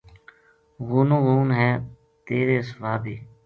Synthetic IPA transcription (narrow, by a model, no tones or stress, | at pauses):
ɣuːnõːɣoːnɦɛː | t̪eːɾeːsʋaːd̪eː